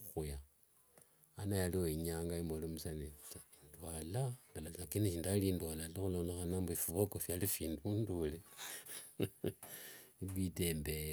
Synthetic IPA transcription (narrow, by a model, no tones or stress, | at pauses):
xuja | najalioiɲaːŋɡaimolomusanetaindwalandalanakiniʃindalindwalalixuloːnlexanambuifuβokofjalifiːndundule | iβitembe